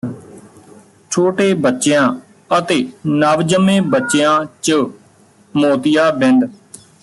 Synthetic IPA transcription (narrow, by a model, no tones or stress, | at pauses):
t͡ʃʰoːʈeːbətːʃejãː | ət̪eːnaːʋd͡ʒəmẽːbətːʃejãːt͡ʃə | moːt̪ɪjaːbɪ̃nd̪